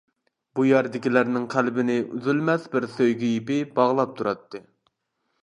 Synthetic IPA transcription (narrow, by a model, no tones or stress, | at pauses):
bujɛɾd̪ɪkʲilæɾnɪŋqʰælbɪnɪʔy̰zylmɛsbɪɾsøjɡʲijipɪbɑʁlˠɑp̚t̪ʰuɾɑt̪ːɨ